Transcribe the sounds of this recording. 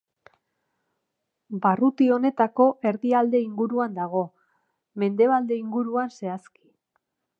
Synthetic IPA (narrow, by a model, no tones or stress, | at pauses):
barut̪io̞ne̞t̪ako̞ʔe̞ɾðiald̪e̞iŋɡuɾuand̪aɣ̞o̞ | me̞nd̪e̞β̞ald̪e̞iŋɡuɾuanse̞aski̥